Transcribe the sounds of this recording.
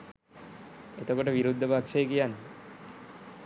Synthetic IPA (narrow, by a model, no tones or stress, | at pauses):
et̪okoʈəʋiɾud̪ʱːəpakʂejəkijanːe